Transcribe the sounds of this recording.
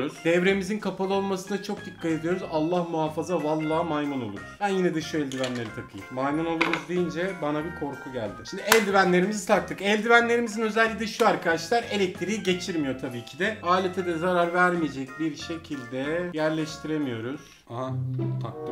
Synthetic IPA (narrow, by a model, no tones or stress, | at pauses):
ɾuz̥d̪̥ɛvɾe̞mizinkʰapalˠɯo̞lˠmasɯnat͡ʃʰo̞k̚d̪ikʰːat̪ed̪ijo̞ɾuzalˠːahmuɦaːfazavalˠːaːmajmano̞lˠṵɾɾz̥bænjinɛd̪ɯʃuɛlʲd̪ivænlʲe̞ɾit̪ʰakʰɯjɯ̰mːajmano̞lˠuɾuzd̪ejind͡ʒɛbanabikʰo̞ɾkʰuɟæ̰lʲd̪ɪʃind̪iɛlʲd̪ivænlʲe̞ɾimizit̪ʰak̚t̪ʰɯkɛlʲd̪ivænlʲe̞ɾimizinø̞zɛlʲːicd̪ɯʃuaɾkʰad̪aʃlˠaɾe̞lʲɛc̚t̪ʰiɾijiɟe̞t͡ʃʰiɾmijo̞t̪ʰabiːcʰid̪ɛaːlʲet̪ʰɛd̪ɛzaɾaɾvæɾmijed͡ʒɛc̚biɾʃe̞cʰilʲd̪ɛjæɾlʲɛʃt̪ʰiɾemijo̞ɾuz̥ | ut̪ʰak̪̚